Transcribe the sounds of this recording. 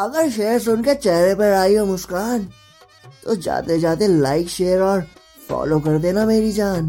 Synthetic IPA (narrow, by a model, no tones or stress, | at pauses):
ɐɡəɾʃeːɾs̬ʊnket͡ʃɛɦɾepəɾaːiomʊskaːn | t̪o̰d͡ʒa̰ːt̪ed͡ʒaːt̪̬elaːɪkʃeːɾɔːɾ | fɔ̰ːlokɐɾd̪enameːɾid͡ʒaːn